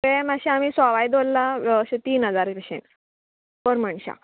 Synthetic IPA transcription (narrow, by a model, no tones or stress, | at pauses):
ẽmaɕiamisaʋajd̪olːaɕet̪iːnɦəd͡zaɾeɕḛɳ | pəɾməɳɕa̰